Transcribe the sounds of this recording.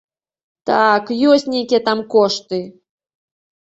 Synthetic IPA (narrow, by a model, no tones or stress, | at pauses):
t̪akjosʲtʲnʲejkʲet̪ɑmkoʃt̪ɨ